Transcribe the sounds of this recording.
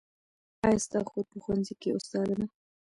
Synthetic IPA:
ɑjst̪ɑxod̪̚pəxwanzikeʊst̪ɑd̪əna

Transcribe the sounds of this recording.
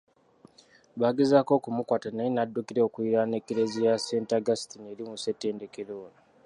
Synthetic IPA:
βaːɡezako̞ːkumukwaːtanajinadːukiɾeokuiɾane̞keɾezijase̞ːntaɡasi̥tine̞ɾimuse̞tːe̞ːnde̞ke̞ɾoːna

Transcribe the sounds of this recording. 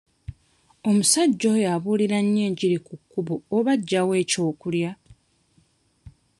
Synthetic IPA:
o̞musaɟːo̞jaβuːliɾaɲːeːɲɟiɾikukːuβoːβaɟːawe̞ːco̞ːkulja

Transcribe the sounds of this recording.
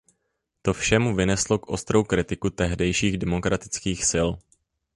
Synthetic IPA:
t̪o̞fʃɛmuvɪnɛslo̞kʔo̞st̪ɾo̞wkɾɪt̪ɪkut̪ɛɦdɛjʃiːɣdɛmo̞kɾʔat̪ɪ̥t͡skiːxsɪl

